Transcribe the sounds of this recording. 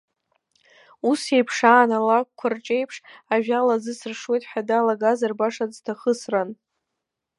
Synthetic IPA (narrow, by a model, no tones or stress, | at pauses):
use̞jpʰʂaːnalakʷkʷʰːart͡ʃʼe̞jpʰʂaʒᶣalazɨsɨrʂwe̞jtʼħʷᶣadaːlaɡazarbaʂaztʰaχəsran